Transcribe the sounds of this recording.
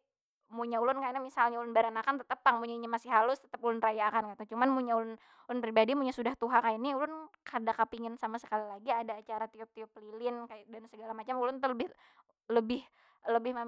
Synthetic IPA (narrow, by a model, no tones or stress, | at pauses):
muɲaulʊnkajnamisalɲaulʊnbaɾanakant̪ət̪əpaŋmuɲaiɲamasɪɦalʊst̪ə̥t̪əpulʊnrajakankat̪ut͡ʃumanmuɲaulʊn | ulʊnpɾibadimuɲasudaht̪uɦakajaniulʊnkadakapiŋɪnsamasə̥kalilaɡiadaːt͡ʃaɾat̪iɔp̚t̪iɔplilɪnkajadansəɡalamat͡ʃamulʊnt̪ələbɪ | ləbɪh | ləbɪhma